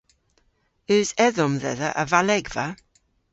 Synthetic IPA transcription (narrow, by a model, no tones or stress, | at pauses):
ʉzɛðɔmðɛ̰ðəʔəvalɛɡvə